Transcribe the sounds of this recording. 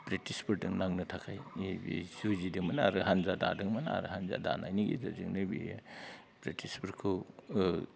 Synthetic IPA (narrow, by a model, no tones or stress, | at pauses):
pɾetispɯɾdɯŋnaŋnɯtʰakʰajisuzidɯŋmɐnaaɾɯɦanzada̰dɯŋmɐnaa̰ɾɯhanza̰da̰na̰jniɡḭzazɯ̰ŋnɯbḭ | pɾetʰispɐɾkʰɯ